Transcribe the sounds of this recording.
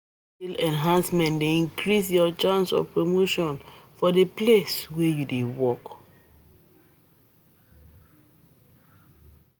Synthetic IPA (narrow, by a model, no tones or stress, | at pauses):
ilɛ̃nɦãnsmɛ̃ntdeĩŋkɹisjɔt͡ʃãnsɔ̰pɹomoʃɔ̃nfɔdepleswejudewɔk